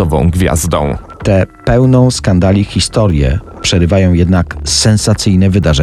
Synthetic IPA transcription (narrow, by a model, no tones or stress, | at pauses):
ɔvɔ̰̃w̃ɡvʲja̰zd̪ɔ̰̃w̃ | t̪ɛpɛwnɔ̃w̃skand̪alʲixʲist̪ɔɾʲjɛ̰ | pʂɛɾɘvajɔ̃w̃jɛd̪naksɛnsat̪sɘjnɛvɘd̪aʐɛ